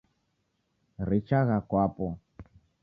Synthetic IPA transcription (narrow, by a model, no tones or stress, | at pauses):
ɾit͡ʃaɣakwapɔ